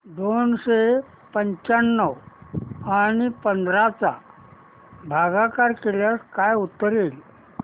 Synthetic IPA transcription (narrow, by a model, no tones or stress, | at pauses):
d̪onɕe | pəɲt͡ɕanːəw | anipənd̪ɾat͡sa̰ | bʱaɡakaɾkeljaskajut̪ːɾil